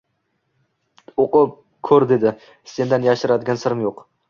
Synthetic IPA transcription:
oqʊp̚ | kʲʰɵɾd̪e̞d̪ɪ | se̞nd̪anjaʃɪɾad̪ɪɡʲansɪɾɪmjoq

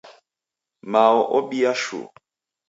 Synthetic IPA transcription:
maɔʔɔɓiaʃṵ

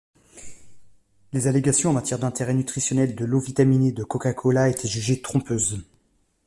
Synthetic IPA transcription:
lezaleɡasjɔ̃ɑ̃mat̪jɛʁd̪ɛ̃t̪eʁɛnyt̪χisjɔnɛld̪əlovit̪amined̪əkɔkakʰɔlaet̪ʰeʒyʒet̪χɔ̃pøːz

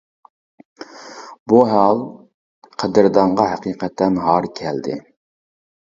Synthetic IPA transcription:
buɦɑlˠ | qʰəd̪ɪɾd̪ɑɴʁɑɦæqiːqʰɛt̪ʰːɛnɦɑɾkʲʰɛld̪ɪ̰

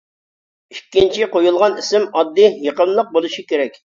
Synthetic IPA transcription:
ikʲːint͡ʃʰiqojulˠʁɑnisɪmɑd̪ːɨjeqəmlˠəq̚bolˠuʃikʲeɾɛkʲ

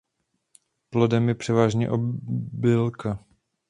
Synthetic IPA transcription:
plodɛmjɛpr̝̥ɛvaːʒɲɛ̰ʔobɪlka

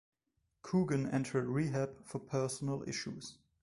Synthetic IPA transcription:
kʰuːɡə̃nɛ̰̃ntʰə˞d̚ɹiɦæbfəpʰɜ˞sn̩əlˠɪ̰ʃuz̥

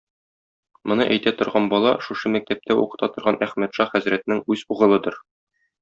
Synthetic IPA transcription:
mŏnɤʔæjt̪æt̪ŏɾʁɑnbɒlˠɑʃuʃɤmæk̚t̪æp̚t̪æṵqɤ̥̆t̪ɑt̪ŏɾʁɑnʔæχmæt̪ʃɑχæzɾæt̪nɘŋʉzuʁɤ̆lˠɤd̪ɤɾ

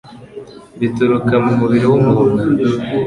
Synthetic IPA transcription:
βitoɾukamumuβiɾowumuhoɾa

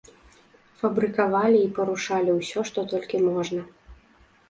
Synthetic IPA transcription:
fɐbɾɨkavalʲiːpɐɾuʂalʲiwsʲɔʂt̪ɔt̪ɔlʲkʲimɔʐnɐ

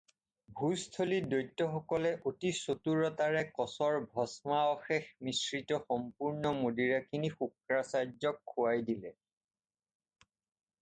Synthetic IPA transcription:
bʱustʰolidojtːɔxɔkɔlɛʔotisotuɹɔtaɹɛkɔsɔɹbʱɔsmaɔxexmisɹitɔxɔmpuɹnɔmodiɹakʰinixukɹasaɹzɔkʰːuwajdilɛ

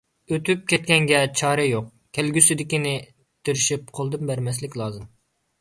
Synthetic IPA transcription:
øt̪yp̚kʲɛt̪̚kʲɛŋɡʲɛt͡ʃʰɑːɾɛjoq̚ | kʲʰɛlɡʲysɪd̪ɪkʲinɪ | t̪ɪɾɪʃip̚qʰolˠd̪ɨmbæɾmɛslɪkʲlˠɑːzɨm

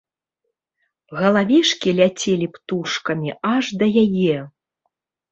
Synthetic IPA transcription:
ɣɐlˠavʲiʂkʲilʲat͡sʲelʲipt̪uʂkɐmʲiʔaʐd̪ɐjajɛ

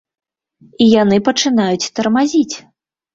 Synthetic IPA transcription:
ijanɨpɐt͡ʂɨnajut͡sʲt̪ɐrmazʲit͡sʲ

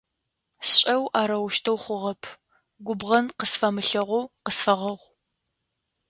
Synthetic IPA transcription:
sɕʼɐwʔaːɾɐwʃtʰɐwχʷʊʁɐpʰ | ɡʷʊbʁɐnqəsfɐmɨɬɐʁʷʊqəsfɐʁɐʁʷ

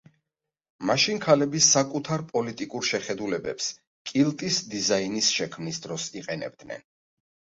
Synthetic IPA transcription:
maʃinkʰalɛbisakʼut̪ʰaɾpʼɔlit̪ʼikʼuɾʃɛχɛd̪ulɛbɛ̰ps | kʼilˠt̪ʼisd̪izainisʃɛkʰmnisd̪ɾɔsiqʼɛnɛ̰b̚d̪nɛ̰n

